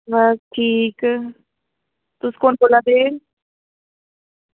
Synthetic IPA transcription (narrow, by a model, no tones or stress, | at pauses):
ʋəsʈʰiːk | t̪ʊskoːnboːlãːd̪eː